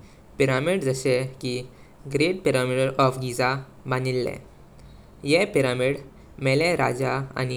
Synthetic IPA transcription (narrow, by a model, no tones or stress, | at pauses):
piɾamiɽd͡zəɕeki | ɡɾeʈ̚piɾamiʈəɾɔfɡid͡za | banilːɛ̰ | jɛpiɾamiɽ | mɛlɛɾad͡zaa̰ni